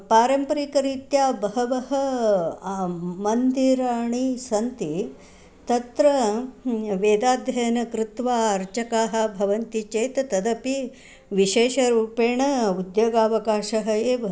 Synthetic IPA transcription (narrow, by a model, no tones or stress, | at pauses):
paːɾɐmpɐɾikɐɾit̪jaːbɐɦɐʋɐɦɐ | mɐnd̪iɾaːɳisɐnt̪i | t̪ɐt̪ɾɐ | ʋeːd̪aːd̪jɐjɐnɐkɾɪt̪ʋaːɐɾt͡ʃɐkaːɦɐ̆bʱɐʋɐnt̪it͡ʃeːt̪ɐt̪ɐd̪ɐpi | ʋiʃeːʃɐɾuːpeːɳɐud̪joːɡaːʋɐkaːʃɐɦɐeːʋ